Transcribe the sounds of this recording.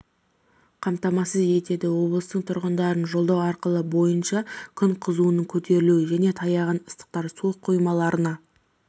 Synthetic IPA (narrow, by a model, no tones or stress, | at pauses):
qʰɑmt̪ɑmɑsəze̞t̪e̞d̪ɪwo̞blˠəst̪əɴt̪ʰʊɾʁənd̪ɑɾənʒo̞lˠd̪ɑwɑɾqəlˠəbo̞jənʃɑkʲʰʏɴqʰəzuənəɴkʲʰɵt̪e̞ɾɪluɪʒæne̞t̪ʰɑjɑʁɑnəst̪ə̥q̚t̪ɑɾsuqʰːojmɑlˠɑɾənɑ